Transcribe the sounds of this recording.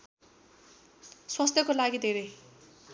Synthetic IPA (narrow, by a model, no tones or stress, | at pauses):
swʌst̪ʰjʌkolaɡid̪ʱeɾʌj